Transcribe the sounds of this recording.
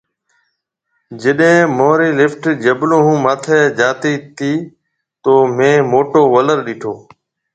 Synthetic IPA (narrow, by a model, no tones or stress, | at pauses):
d͡ʒɪɗɦẽːmoːɾiːlɪfʈd͡ʒəblõːɦũːmaːt̪ʰɛːd͡ʒaːt̪iːt̪iː | t̪oːmẽːmoːʈoːʋələɾɗiːʈʰoː